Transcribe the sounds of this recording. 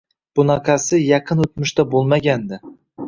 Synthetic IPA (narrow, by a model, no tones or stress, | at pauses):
b̥ʊnɑqʰɑsɪjɑqʰɨnɵt̪mʊʃt̪abolˠmaɡʲand̪ɪ